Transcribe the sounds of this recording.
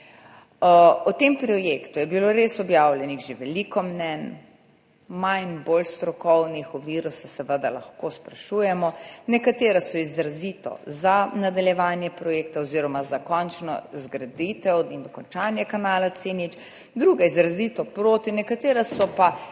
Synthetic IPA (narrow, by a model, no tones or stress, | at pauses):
ɔt̪empɾɔjekt̪ujɛbiloɾesɔbjaːwljɛniɣʒeʋɛlikɔmnɛn | majnboːlst̪ɾɔkɔwnixɔʋiːɾusɛsɛʋəd̪ala̰xkospɾaʃujɛmɔnɛkat̪eːɾasɔizɾazit̪ɔ̰zanad̪aljɛʋaːnjɛpɾɔjeːkt̪aɔziːɾɔmazakɔnt͡ʃnɔ̰zɡɾad̪it̪ɛw̪ind̪ɔkɔnt͡ʃaːnjɛkanaːlat̪senit͡ʃ | d̪ɾuːɡaizɾazit̪ɔpɾoːt̪inɛkat̪eːɾasɔpa